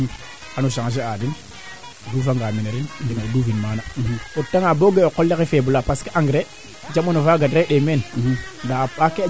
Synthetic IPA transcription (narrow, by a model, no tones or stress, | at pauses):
anoʃaŋaʃ̬eadin | dufaŋɡamineɾininaduvinmanaotːaŋaboɡeokolːekefebulapaskiʔaŋɡɾe | d͡ʒamonovaɡadɾeɗemendaake